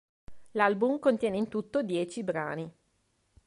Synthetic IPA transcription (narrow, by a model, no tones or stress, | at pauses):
lalbumkont̪jɛːneint̪ut̪ːod̪jɛːt͡ʃibɾa̰ːni